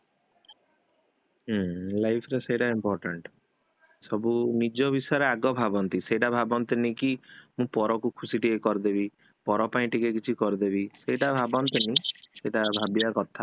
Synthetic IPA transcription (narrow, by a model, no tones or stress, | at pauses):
lajpʰɾesejʈaimpɔɾʈaɳʈ | sɔbunid͡ʒɔbisɔjɔɾeaɡɔbʱabɔnt̪isejʈabʱabɔnt̪inĩkimũpɔɾɔkukʰusiʈiekɔɾd̪ebi | pɔɾɔpaĩʈikekit͡ʃʰikɔɾd̪ebiseʈabʱabɔnt̪inĩseʈabʱabiakɔt̪ʰa